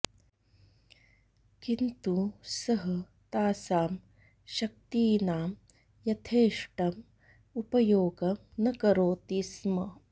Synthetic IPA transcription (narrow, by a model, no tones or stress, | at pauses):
kint̪usɐɦɐ | t̪aːsaːm | ʃɐk̚t̪iːnaːm | jɐt̪ʰeːʂʈɐm | upɐjoːɡɐmnɐkɐɾoːt̪ismɐ